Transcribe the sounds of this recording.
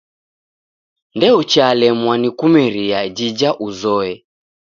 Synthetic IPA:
ndɛut͡ʃalɛmwanikumɛɾiad͡ʒid͡ʒaʔuzɔɛ

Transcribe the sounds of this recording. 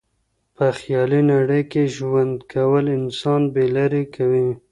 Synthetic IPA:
pəxjɑlinaɽəjkeʒwand̪kʰawəlɪnsɑnbelaɾekawi

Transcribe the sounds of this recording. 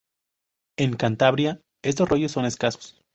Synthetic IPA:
e̞ŋkant̪aβɾja | e̞st̪o̞srʔo̞ʝo̞sːo̞ne̞skaso̥s

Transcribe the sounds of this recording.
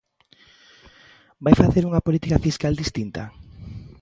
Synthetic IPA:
bajfaθeɾuŋɐpolit̪ikafiskald̪ist̪int̪a̰

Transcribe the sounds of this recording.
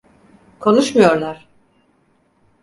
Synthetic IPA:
kʰo̞nˠuʃmujo̞ɾlˠaɾ̥

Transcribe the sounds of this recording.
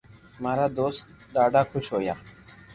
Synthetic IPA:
maɾad̪oːst̪ | d̪aːɖakʰʊʃoːjaː

